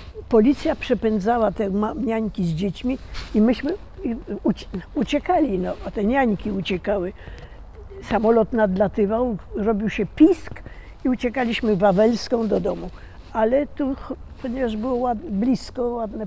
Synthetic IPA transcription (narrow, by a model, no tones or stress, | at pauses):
pɔlʲit̪sʲjapʂɛpɛnd̪zawat̪ɛmaɲaɲkʲizd͡ʑet͡ɕmʲiimɘɕmɘ | ut͡ɕut͡ɕɛkalʲinɔat̪ɛɲaɲkʲiut͡ɕɛkawɘ | samɔlɔt̪nad̪lat̪ɘvawɾɔbʲiwɕɛpʲisk | iut͡ɕɛkalʲiɕmɘvavɛlskɔ̃w̃d̪ɔd̪ɔmu | alɛt̪upɔɲevaʐbɘwɔwad̪blʲiskɔwad̪nɛ